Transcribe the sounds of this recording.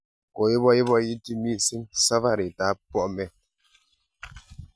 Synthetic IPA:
kɔ˨je˦bɔ˦ji˦bɔ˦ji˦ti˦mi˦˨si˦msa˦va˦˨ɾi˨ta˨˦pɔ˦ʔmɛ˦

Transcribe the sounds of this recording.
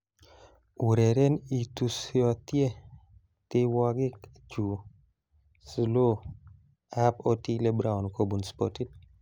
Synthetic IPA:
u˨ɾɛ˨ɾɛ˦ni˨t̪u˨siɔ˨t̪je˦ | t̪ɪ˦wa˦ɡɪ˦k | d͡ʒu˨ | slo˦ | a˦pɔ˦ti˦le˦bɾa˦ʊ˨nko˦bu˨nspɔti˦t̚

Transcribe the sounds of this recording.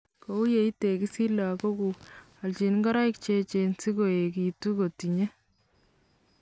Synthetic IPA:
ko˨˦u˦je˦i˦te˨ki˦si˦la˨ko˦ku˨ | a˨lt͡ʃi˨nŋɡa˦ɾa˦ɪ˦kt͡ʃe˦t͡ʃe˨nsi˦ko˨e˨ki˨tu˦ko˨ti˨ɲe˦

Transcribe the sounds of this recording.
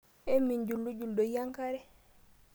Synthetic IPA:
e˦mːi˨ɲd͡ʒu˨lːu˦ɟu˨ldo˨ja˦ŋka˦ɾɛ˦

